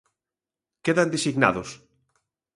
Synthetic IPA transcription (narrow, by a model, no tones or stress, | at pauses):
keðand̪esiɣna̰ðʊs